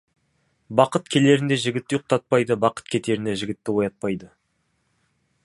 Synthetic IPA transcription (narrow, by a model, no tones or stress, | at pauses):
bɑqət̪kʲʰe̞le̞ɾɪnd̪e̞ʒɪɡʲɪt̪ːɪjuq̚t̪ɑt̪̚pɑjd̪əbɑqə̥t̪̚kʲʰe̞t̪e̞ɾɪnd̪e̞ʒɪɡʲɪt̪ːɪwo̞jɑt̪̚pɑjd̪ə